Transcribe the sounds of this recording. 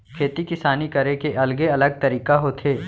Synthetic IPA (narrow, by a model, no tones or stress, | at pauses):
kʰeːt̪ikɪsaːnikɐɾekeʔɐlɡeɐləɡ̚t̪ɐɾiːkaɦoːt̪ʰeː